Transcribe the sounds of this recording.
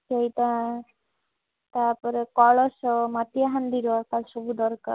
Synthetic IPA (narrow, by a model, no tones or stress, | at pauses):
keit̪a | t̪aɾpɔɾekɔlɔsɔmat̪ijaɦand̪iɾɔakalʃobud̪ɔɾka̰ɾ